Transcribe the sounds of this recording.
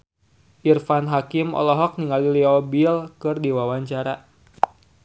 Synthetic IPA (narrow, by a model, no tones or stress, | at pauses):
ʔirfanɦakimɔ̰lɔɦɔk̚niŋaliliɔbilkɨrdiwawaɲt͡ʃaɾa